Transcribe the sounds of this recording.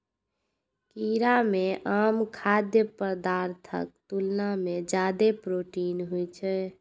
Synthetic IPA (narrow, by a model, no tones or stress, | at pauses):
kiɾameʔaːmkʰad̪jəpəɾd̪aɾt̪ʰə̰k̚t̪ulnamed͡ʒad̪epɾoʈinɦujt͡ʃʰɛ